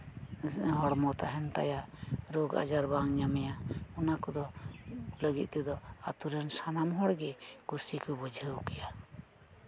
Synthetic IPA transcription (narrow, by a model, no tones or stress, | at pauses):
ɦɔɽmɔt̪aɦɛnt̪a̰jaʔɾoɡa̰d͡ʒaɾbaŋɲamɛjaɔnakɔd̪ɔ | ləɡit̪̚ˀt̪ɛd̪ɔat̪uɾɛnsanamɦɔɽɡɛkuɾsikɔbɔd͡ʒʱəwkɛja